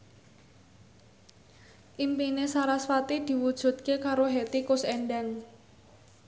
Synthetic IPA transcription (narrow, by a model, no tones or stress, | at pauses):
ʔimpinesaɾasfat̪id̪̥i̤wud̥ʒ̥ṳt̪̚kekaɾoɦet̪ikʊsɛɳɖaŋ